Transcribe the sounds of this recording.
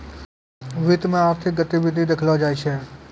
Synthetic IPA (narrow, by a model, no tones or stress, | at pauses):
ʋit̪mẽaːp̚t̪ʰiɡət̪iʋɪd̪ʱid̪ekʰlad͡ʒaːjt͡ʃʰe